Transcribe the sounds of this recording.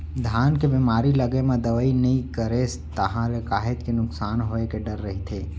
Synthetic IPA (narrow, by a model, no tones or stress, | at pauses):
d̪ʱaːnkebiːmaːɾilɐɡemẽd̪ɐʋəːinɐɦĩkəɾes | t̪ɐɦãɾekaːɦɪt̪kenʊksaːnɦoːekeɖɐɾːɐɦit̪ʰeː